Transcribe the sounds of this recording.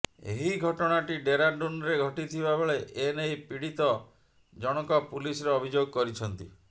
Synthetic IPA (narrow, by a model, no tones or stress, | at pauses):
ḛɦiɡʱɔʈɔɽ̃aʈiɖeɾaɳɖunɾeɡʱɔʈit̪ʰibabeɭeʔenejpiɽit̪ɔ | d͡ʒɔɽ̃ɔkɔpulisɔɾeɔbʱid͡ʒoɡɔkɔɾit͡ʃʰɔnt̪ḭ